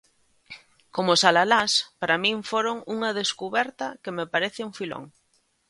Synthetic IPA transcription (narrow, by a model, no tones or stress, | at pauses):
komʊsalalaspaɾamĩɱfoɾoŋuŋɐðeskuβɛɾt̪ɐkɪmepaɾeθɪuŋfilo̰ŋ